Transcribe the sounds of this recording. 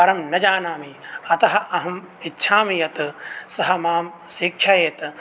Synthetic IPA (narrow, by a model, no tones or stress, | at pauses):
ɐɾɐmnɐd͡ʒaːnaːmiɐt̪ɐɦɐ̆ɐɦɐm | itːʃʰaːmijɐt̪sɐɦɐ̆maːm | sikʰjɐjeːt̪